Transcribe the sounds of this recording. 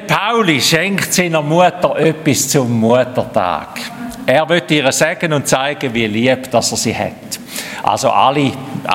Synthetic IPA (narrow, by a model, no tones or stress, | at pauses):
pʰaʊliʃɛŋktsiːnəmuətəɾʔøpːist͡sʊmːuətətʰa̰ːɡ̥ɛːʁvøtːiːʁəsɛɡ̥ənʊnt̚t͡saɪɡ̥əviəliəb̥d̥asɛsiːhɛ̰t | ʔa̰lso̰ʔa̰li